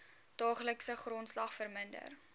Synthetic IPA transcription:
d̥ɑːχləksəχrɔntslɐχfərməndə̰r

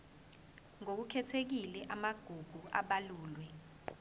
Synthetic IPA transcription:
ŋok̬ukʰɛtʰek̬ilɛʔamaɡ̥ʱuɡ̥ʱua̰ɓaluːlwɛ

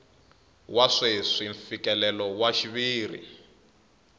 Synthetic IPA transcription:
waʂeʂiɱfikɛlɛlɔwaʃiβiːrḭ

